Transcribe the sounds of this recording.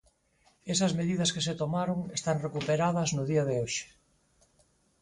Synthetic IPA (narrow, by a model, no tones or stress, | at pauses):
esɐzmeðiðɐskeset̪omaɾoŋest̪aŋrekupeɾað̞ɐznʊðiɐðɪoʃe̥